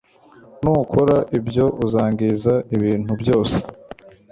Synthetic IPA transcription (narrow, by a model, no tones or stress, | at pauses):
nukʰoɾaʔibjo̞ʔuzaːŋɡizaiβiːn̥hubjo̞ːse̥